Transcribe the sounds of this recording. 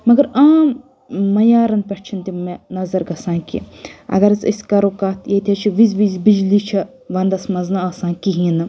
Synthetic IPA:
mɐɡɐɾaː | ɐjaːɾɐnpɐʈʰt͡ʃʰint̪imenɐzɐɾɡɐsãːkḭɐ̰ɡɐɾt͡sḭsʲkɐɾoːkat̪ʰjɐit̪ʰet͡ʃʰiʋizʋiːzbid͡ʒlit͡ʃʰɐ | ʋɐ̃nd̪ɐsmɐnznaɐsãːkiɦinɨ

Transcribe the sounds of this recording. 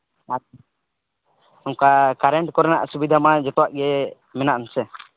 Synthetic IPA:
a | ɔŋkakaɾɛɳʈkɔɾɛnaʔsubid̪ʱamad͡ʒɔt̪ɔwaʔɡɛ | mɛnaʔnsɛ

